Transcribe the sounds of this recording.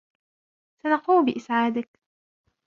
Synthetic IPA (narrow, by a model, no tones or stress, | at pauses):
sanɑquːmbɪʔɪsʕaːd̪ɪk